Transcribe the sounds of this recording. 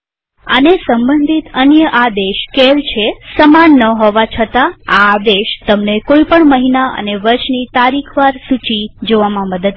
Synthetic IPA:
ə̰nesəmbənd̪ʱit̪ənjəʔad̪eʃkelt͡ʃʰesəmanːəɦoʋat͡ʃʰət̪aaːd̪eʃt̪əmnekoipəɳməɦinaʔə̰neʋəɾʃnit̪aɾikʰʋaɾsut͡ʃid͡ʒoʋamãməd̪əd̪

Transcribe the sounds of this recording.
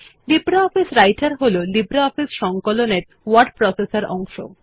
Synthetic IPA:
libɾaɔfisɾajʈaɾɦololibɾaɔfisʃɔŋkoloneɾ | waɾɖ̚pɾɔsesaɾɔŋʃo̰

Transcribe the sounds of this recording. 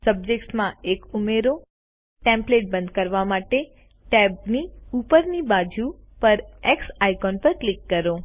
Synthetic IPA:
səb̚d͡ʒeksmãekumeɾo | ʈɛ̃mpleʈ̚bə̃nd̪̚kəɾʋamaʈe | ʈɛb̚niupəɾnibad͡ʒupəɾeksajkɔnpəɾklikːəɾo

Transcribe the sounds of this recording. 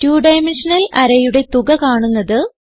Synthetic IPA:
tjuːɖɐjmenʂɐnɐlɐɾɐjuɽe̞t̪uɣɐkaːɳunːɐðɨ

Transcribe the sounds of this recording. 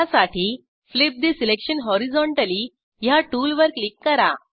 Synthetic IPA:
asaʈiː | flip̚d̪isilekɕənɦɔɾid͡zɔɳʈəli | jaʈuːlʋəɾklikːəɾa̰

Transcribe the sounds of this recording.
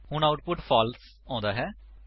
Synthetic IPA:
hʊɳ̃aːʊʈpʊʈfʰɔːls | ɔ̃ːnd̪aːɦɛː

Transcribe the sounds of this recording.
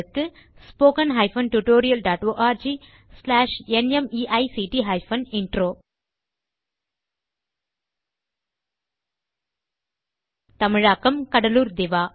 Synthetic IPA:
ɯkːɯ | spoːkɐnɦɐɪfɐnʈuʈoːɾɪjɐlɖaːʈoːʔaːɾd͡ʒiː | slaːʂɛnɛmiːʔɐɪsiːʈiɦɐɪfɐnɪɳɖɾoː | t̪ɐmɪɻaːkːɐmkɐɽɐluːɾd̪ɪʋaː

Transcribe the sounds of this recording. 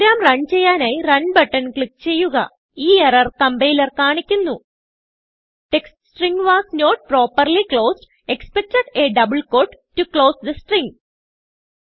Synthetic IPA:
ɾaːmrɐɳt͡ɕe̞jːaːnaːjrɐnbɐʈːɐnkɭik̚t͡ɕe̞jːuɣɐ̰ | iːeɐɾɐrkɐmbejilɐrkaːɳikʲːunːu | ʈeksʈsʈriŋɡʋaːsnoːʈ̚proːpːɐrliklo̞ːsɖ | ekspek̚tɐʈeɖɐbɨɭko̞ːɖːuklo̞ːsd̪ɐsʈrĩŋ

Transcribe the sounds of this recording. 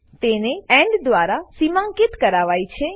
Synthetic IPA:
t̪eneɛ̃ɳɖd̪ʋaɾasimãŋkit̪kəɾaʋajt͡ʃʰe

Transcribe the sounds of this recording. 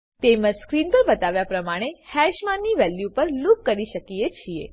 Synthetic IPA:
t̪eməskɾinpəɾbət̪aʋjapɾəmaɽ̃ehɛʃmanːiʋɛljupəɾlukːəɾiʃəkijet͡ʃʰiḛ

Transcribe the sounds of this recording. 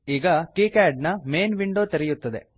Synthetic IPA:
iːɡɐkiːkaːɖ̚nɐmeːnʋiɳɖoːt̪ɐɾɛjut̪ːɐd̪e̞̰

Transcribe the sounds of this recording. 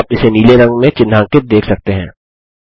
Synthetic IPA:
pɪseniːleɾɐ̃ŋɡmẽt͡ʃɪnːãːkɪt̪̚d̪eːkʰsɐk̚t̪eɦɛ̰̃ː

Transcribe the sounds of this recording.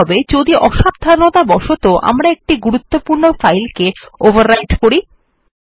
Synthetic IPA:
ɔbed͡ʑod̪iʔɔʃab̚d̪ʱanot̪abɔʃot̪oʔa̰mɾaek̚ʈiɡuɾut̪ːopuɾnofajlkeovʱaɾːajʈkoɾi

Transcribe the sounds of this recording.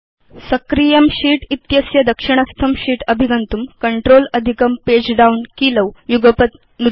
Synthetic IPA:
səkɾijɐmɕiːʈit̪jɐsjɐd̪ɐkʂiɳ̃ɐst̪ʰɐmɕiːʈəbʱiɡɐnt̪umkəɳʈɾolɐd̪ʱikəmped͡ʑɖaunkiləwjuɡəpət̪̚ | nu

